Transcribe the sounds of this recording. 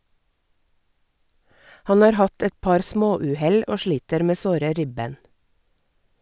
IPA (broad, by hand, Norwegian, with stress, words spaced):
ˈhɑn ˈɑːɾ ˈhɑt ˈɛt ˈpɑɾ ˈsmoːˌʉːˌhɛl ˈoː ˈʃliːtəɾ ˈmeː ˈsoːɾə ˈɾɪbeːn